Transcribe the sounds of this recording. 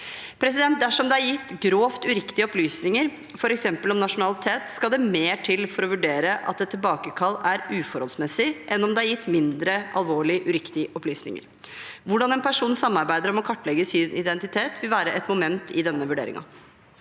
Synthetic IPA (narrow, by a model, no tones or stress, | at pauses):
pʰɾɛsɪd̪ɛnt̪̚d̪æʂɔmd̪ɛæɾjɪt̪ːɡɾoːft̪ʉɾɪkt̪ɪəɔplyːsnɪŋəɾ | fɔɾɛksɛmpəlɔmnɑʂʊnɑlɪt̪ʰeːt̪skɑld̪ɛmeːʈʰɪlfɔɾɔʋʉɖeːɾəʔɑt̪̚d̪ɛt̪ʰːɪlbɑːkəkʰɑlːæɾʉːfɔɾɔlsmɛsːɪʔɛnɔmd̪ɛæɾjɪt̪ːmɪnd̪ɾəʔɑlʋoːɭɪʔʉɾɪkt̪ɪəʔɔplyːsnɪ̰ŋə̰ɾ | ʋʊɖɑnɛnpʰæʂuːnsɑmːɑɾbæɪd̪əɾɔmɔkʰɑʈːlɛɡəsɪːnʔɪ̰d̪ɛnt̪ɪt̪ʰeːt̪ʋɪlʋæːɾəʔɛt̪mʊmɛnt̪ʰɪd̪ɛnːəʋʉɖḛːɾɪ̰ŋɑ̰